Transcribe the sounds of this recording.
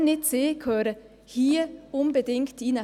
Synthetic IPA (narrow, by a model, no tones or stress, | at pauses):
nɪtseːkʰøːɾə | hiːʊnbədɪŋktiːnə